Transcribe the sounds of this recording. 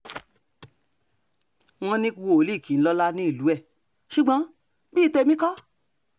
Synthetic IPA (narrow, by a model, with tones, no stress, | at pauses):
w̃ɔ̃˧nĩ˦˧wo˧˨o˨˦li˦˨kĩ˨n̩˦lɔ˧la˦nĩ˦i˦˨lu˨˦ɛ˦˨ | ʃu˨ɡ͡bɔ̃˨˦ | bi˦˨˦te˧mĩ˦kɔ˦